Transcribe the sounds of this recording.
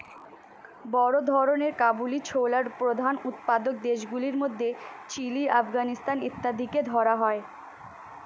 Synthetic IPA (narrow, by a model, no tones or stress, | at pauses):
bɔɾod̪ʱɔɾoneɾkabulit͡ɕʰowlaɾpɾod̪ʱanut̪pad̪ok̚d̪eʃɡuliɾmod̪ʱːet͡ɕiliʔafɡanist̪anit̪ːad̪iked̪ʱɔɾaɦɔe